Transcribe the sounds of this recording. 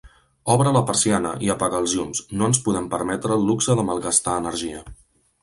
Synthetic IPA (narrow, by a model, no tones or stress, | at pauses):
ɔβɾələpəɾsianə̰ʔiəpaɣaːlˠzʎumsnoənspuðɛmpəɾmɛt̪ɾəːlˠːuksəðəməlˠɣəst̪aənəɾʒiə